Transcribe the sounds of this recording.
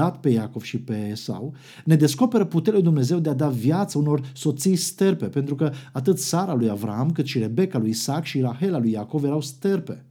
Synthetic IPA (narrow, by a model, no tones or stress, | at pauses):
at̪pe̞jako̞v̥ʃipe̞ːsa̰w | ne̞d̪e̞sko̞pe̞ɾəput̪eɾʲalujd̪umne̞ze̞wd̪e̞ad̪avjat̪səuno̞rso̞t̪sijst̪erpe̞pe̞nt̪ɾukəat̪̬ɨt̪saɾalujavɾa̰amkɨt̪ʃiɾe̞be̞kalujisakʃiɾahe̞lalujako̞vje̞ɾawst̪erpe̞̰